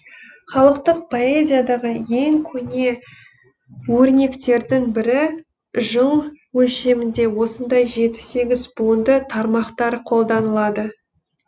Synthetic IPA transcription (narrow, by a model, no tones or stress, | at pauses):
χɑlˠəqt̪əq̚pʰo̞e̞zʲijad̪ɑʁəje̞ŋkʲʰɵne̞ | wɵɾne̞kt̪e̞ɾd̪ɪŋbɪɾɪ | ʒəlˠwɵlʃe̞mɪnd̪e̞wo̞sənd̪ɑjʒe̞t̪ɪ̥se̞ɡʲɪzbund̪ət̪ʰɑɾmɑqt̪ɑɾqʰo̞lˠd̪ɑnəlˠɑd̪ə